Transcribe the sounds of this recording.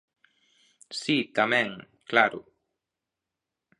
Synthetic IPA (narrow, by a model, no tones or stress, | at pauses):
sit̪amẽŋ | klaɾʊ̰